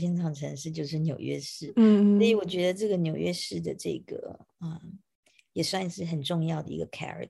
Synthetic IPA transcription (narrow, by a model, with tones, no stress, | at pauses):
ɛ˥nʈ͡ʂʰɑ˨˩ŋʈ͡ʂʰɤ˧˥ŋʂɻ̩˥˧t͡ɕjo˥˧ʊʂ̬ɻ̩˥˩njo˨˩ʊɥɛ̰˥ʂɻ̩˥˩sə˥˧˥i˧˥wɔ˨˩t͡ɕɥɛ˧˥d̪ə˧ʈ͡ʂɤ˥˩ɡə˩njo˨˩ʊɥɛ˥ʂɻ̩˥˩d̪ə˩ʈ͡ʂɤ̰˥˩ɡə̰˩ | ə˧˩ | jɛ˨˩swa˥˧nʂɻ̩˥˩xə˨˩nʈ͡ʂʊ˥˧ŋjɑ˥˩ʊd̪ə̰˩ḭ˧˥ɡə˧kʰɛ̰˥ɹə̰˨˩